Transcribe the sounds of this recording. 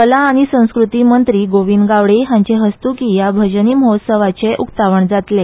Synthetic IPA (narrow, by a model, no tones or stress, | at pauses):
kəlaːɽ̃isə̃w̃skɾut̪iːmənt̪ɾiːɡoʋiːnɡaʋɽeɦaɲt͡ɕeɦəst̪ukijabʱəd͡ʑniːməɦot̪səʋat͡ɕeʔukt̪aʋəɳd͡zat̪le